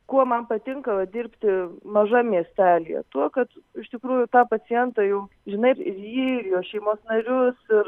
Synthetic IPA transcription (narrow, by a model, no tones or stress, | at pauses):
kuɔmɐnpɐt̪ʲɪŋkɐʋɐd̪ʲɪɾʲpʲt̪ʲɪmɐʒɐmʲiɛsʲt̪ʲæːlʲijɛ̰t̪uɔkɐt̪ɪʃt̪ʲɪkɾuːjʊt̪ɑːpɐt͡s̪ʲɪjɛnt̪ɐjɛʊ | ʒʲɪnɐɪɪ̰rjiːɪɾjoːʃʲɛɪmoːsnɐɾʲʊsɪr